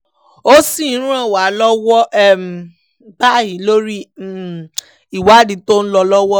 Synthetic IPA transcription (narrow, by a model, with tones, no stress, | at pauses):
o˦si˦˨˦ɾ̃ã˦˨wa˨˦lɔ˦wɔ˦ɛ˦˨m˨˦ | ba˦˨hi˨˦lo˦ɾi˦˨ | i˨wa˨˦di˨˦to˦n̩˦lɔ˧lɔ˦wɔ˦